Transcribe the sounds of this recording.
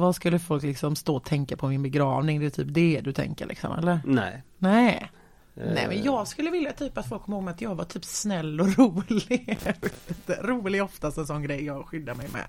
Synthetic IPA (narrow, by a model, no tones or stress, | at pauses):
vaskɵlːəfɔlklɪksɔmst̪oːt̪ʰɛŋkapʰɔmɪnbɛɡɾɑ̰ːvnɪŋd̪ɛɛt̪ʰy̰ːp̚d̪ɛd̪ɵt̪ʰɛ̰ŋkə̰ɾɭʔɪ̰ksɔ̰mʔɛ̰lːəɾnɛ̰nɛː | nɛ̰ːmɛnjɑːɡskɵlːəvɪljat̪ʰyːpat̪fɔlkʰːɔmːhoːɡmɛat̪jɑːɡvaʈ̪ʰyːpsnɛlːɔɾuːlɪvt̪əɾuːlɪɡɔft̪ast̪ɛnsɔnːɡɾɛjːɑːɡɧʏd̪ːaɾmɛjmɛ̰